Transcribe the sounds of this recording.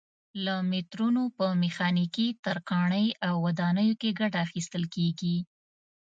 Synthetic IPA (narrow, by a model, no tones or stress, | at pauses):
lamɪt̪ɾunopəmɪxɑnikit̪aɾqɑɳəjawːad̪ɑnəjokeɡaʈaːxist̪əlkeɡi